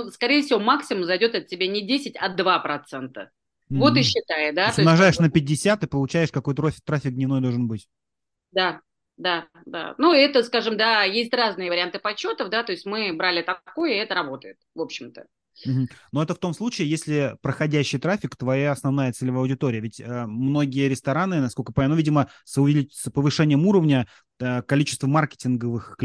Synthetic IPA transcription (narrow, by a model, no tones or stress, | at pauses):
uskɐɾʲejəfsʲɪvo̞maksʲɪmʊmzɐjdʲo̞t̪ɐt̚ːʲɪbʲanʲɪdʲesʲɪtʲɐd̪vapɾɐt̪sɛnt̪ə | vo̞t̪ɨɕːɪt̪ajɪd̪at̪sʊomnɐʐajɪʂnəpʲɪdʲɪsʲat̪ɨpəlˠʊt͡ɕæjɪʂkɐko̞jt̪əɾofʲɪt̪ɾafʲɪk̚d̪nʲɪvnojd̪olˠʐɨnbɨtʲ | d̪a | d̪a | d̪a̰nuɛt̪əskaʐɨmd̪ajesʲtʲraznɨjəvəɾʲɪant̪ɨpɐt͡ɕːo̞t̪əfd̪at̪o̞ɪsʲtʲmɨbɾalʲɪt̪ɐko̞jəɛt̪əɾɐbo̞t̪əjɪt̪̚vo̞pɕːɪmt̪ə | m̩ɦm̩no̞ɛt̪əft̪o̞mslˠut͡ɕɪɪjesʲlʲɪpɾəxɐdʲæɕːɪjt̪ɾafʲɪkt̪vɐjaɐsnɐvnajət̪sɛlʲvɐwdʲɪt̪o̞ɾʲɪjəvʲɪtʲəmno̞ɡʲɪjəɾʲɪst̪ɐɾanɨnɐskolʲkəpɐnʲnuvʲidʲɪməsəʊvʲɪlʲispəvɨʂɛnʲɪjəmuɾəvnʲə | əkɐlʲit͡ɕɪ̥st̪vəmarkʲɪ̥tʲɪnɡəvɨxkʲ